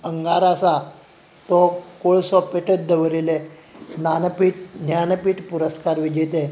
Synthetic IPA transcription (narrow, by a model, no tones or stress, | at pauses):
əŋɡaɾasa | t̪ɔkoɭsɔpeʈʰət̪̚d̪əʋəɾilenanpiːʈ̚njanpiːʈpuɾəskaɾʋid͡ʑet̪e